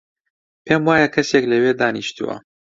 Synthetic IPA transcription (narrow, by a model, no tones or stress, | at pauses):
pʰemwaːjɐkʰɐseklɐweːd̪aːniʃt̪ṵwɐ̰